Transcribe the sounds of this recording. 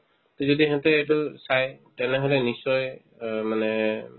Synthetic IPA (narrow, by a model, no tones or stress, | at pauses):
t̪ɔzodiɛɦɛt̪ɛɛtusajtɛnɛɦɔlɛnisɔj | manɛ